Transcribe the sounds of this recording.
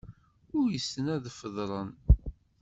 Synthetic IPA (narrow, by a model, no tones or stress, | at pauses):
ʊɾjəsːənæðfəðˤɾˤən